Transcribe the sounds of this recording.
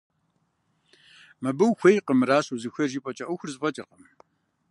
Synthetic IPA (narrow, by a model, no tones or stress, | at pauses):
mɐbɨwxʷejqəmɾaːɕuzɨxʷɐʒiːpʼɐt͡ʃʼɐʔuxʷʊrzɨpʼɐt͡ʃʼɐrqəm